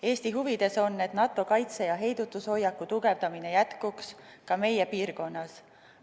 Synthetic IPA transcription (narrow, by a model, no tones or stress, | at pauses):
e̞ːst̪iɦuvid̪̥e̞so̞nːe̞t̪nɑt̪ːˑo̞kɑjt̪se̞jɑɦe̞jd̪̥ut̪ːˑuso̞jːɑkːˑut̪uɡ̥e̞vd̪ɑmine̞jæt̪kukskɑme̞jepiːrko̞nːɑs